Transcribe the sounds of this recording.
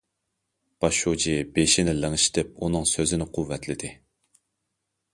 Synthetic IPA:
b̥ɑʃud͡ʒibeʃɪnɪlɪŋɨʃt̪ʰɪp̚unɨŋsøzɪnɪqʰʊvːɛt̪ʰlɪd̪ɪ

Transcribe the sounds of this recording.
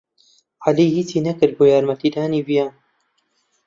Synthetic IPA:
ʔaliːhiːt͡siːnɐkɨɾ̚boːjaːɾmɐt̪iːd̪aːniːbijaːn

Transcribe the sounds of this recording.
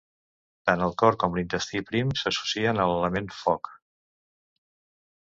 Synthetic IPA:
t̪anəlˠkɔɾkɔmlint̪əst̪ipɾimsəsu̥siənələləmenfɔk

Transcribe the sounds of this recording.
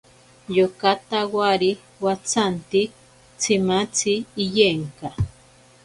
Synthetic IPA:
jokat̪awaɾi | wat͡sʰant̪i | t͡sʰimat͡sʰiːjeŋka

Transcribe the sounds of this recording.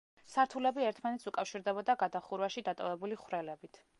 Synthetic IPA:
saɾt̪ʰulɛbiɛɾt̪ʰmanɛt̪sukʼafʃiɾd̪ɛbɔd̪aɡad̪aχuɾvaʃid̪at̪ʼɔ̰vɛbuliχwɾɛlɛbit̪ʰ

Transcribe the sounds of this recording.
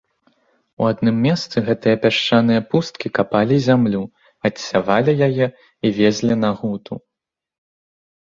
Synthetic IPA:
ṵad̪nɨmːʲɛst̪sɨɣɛt̪ɨjɐpʲaʂt͡ʂanɨjɐpust̪̚kʲikapalʲizʲamlʲu | ɐtsʲavalʲijajɛ | ivʲezʲlʲinaɣut̪ʰṵ

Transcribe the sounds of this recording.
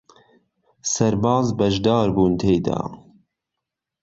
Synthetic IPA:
sɐɾbɑːzbɐʒd̪ɑːɾbuːnt̪ʰejd̪a̰

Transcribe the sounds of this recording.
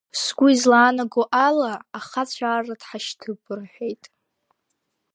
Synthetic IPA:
sɡʷʊizlaːnaɡoʔalaːχat͡ɕʷʰaːradħaʃtʰɨbɨrħʷᶣejtʼ

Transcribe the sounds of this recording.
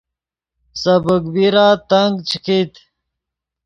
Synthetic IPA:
sɐbəkbiɾaːt̪ɐŋɡt͡ɕʰikit̪

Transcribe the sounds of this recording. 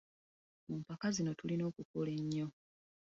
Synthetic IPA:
mumpakazino̞tulino̞ːkukole̞ɲːo̞

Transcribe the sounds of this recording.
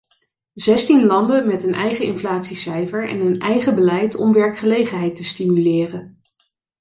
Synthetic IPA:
zɛstinlɑndənmɛtənʔɛjχəɪnflaːtsisɛjfəɹɛ̰nənɛjχəbəlɛjtɔ̰mʋɛɹkχəlejχənɦɛjtəstimylɪːrən

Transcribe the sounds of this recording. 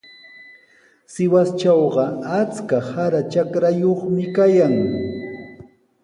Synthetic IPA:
sɪwast͡ʃawɢɑat͡skahaɾat͡ʃakɾajoχmɪkajaŋ

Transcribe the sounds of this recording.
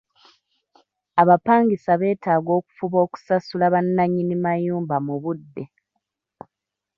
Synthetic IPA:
aβapaːŋɡisaβe̞ːtaːɡo̞ːku̥fuβo̞ːku̥sasulaβanːaɲːinimajuːmbamuβudːe̞

